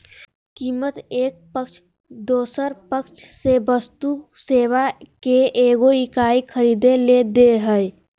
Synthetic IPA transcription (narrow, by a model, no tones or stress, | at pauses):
kiːmət̪eːk̚pəkt͡ʃʰ | d̪oːsəɾpəkt͡ʃʰsebəst̪u | seːwakeʔeːɡoikaːikʰəɾiːd̪eled̪eɦə